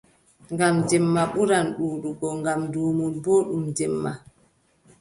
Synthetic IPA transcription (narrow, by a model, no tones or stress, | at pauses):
ŋɡamd͡ʒɛmːaɓuɾanɗuːɗuɡɔŋɡamduːmulboːɗumd͡ʒɛmːa̰